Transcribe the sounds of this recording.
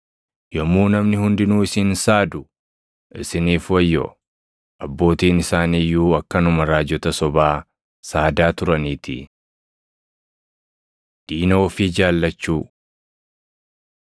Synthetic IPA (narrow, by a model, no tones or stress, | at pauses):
jɔmːuːnɐmnɪhʊnd̪ɪnuːɪsɪnsaːd̪ʊ | ʔɪsɪniːfwɐjːɔ̰ | ʔɐbːo̞ːt̪iːnɪsaːniːjːuːɐkːɐnʊmɐɾaːd͡ʒɔt̪ɐsɔbaː | saːd̪aːt̪ʊɾɐniːt̪ʰɪ̰ | d̪̥iːno̞ːfɪd͡ʒaːlːɐt͡ʃːuː